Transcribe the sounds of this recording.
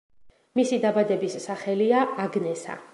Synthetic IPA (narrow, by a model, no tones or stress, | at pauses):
misid̪abad̪ɛbisːaχɛliaaɡnɛsa̰